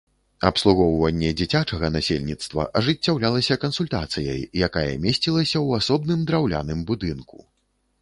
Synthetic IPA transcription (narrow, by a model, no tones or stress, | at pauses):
ɐpslˠuɣɔwvɐnʲːɛd͡zʲit͡sʲat͡ʂɐɣɐnasʲḛlʲnʲit̪st̪vɐ̰ʔɐʐɨt͡sʲːawlʲalˠɐsʲɐkɐnsulʲt̪at̪sɨjɐ̰jjakajɐ̰mʲesʲt͡sʲilˠɐsʲɐwasɔbnɨmd̪ɾawlʲa̰nɨmbud̪ɨnku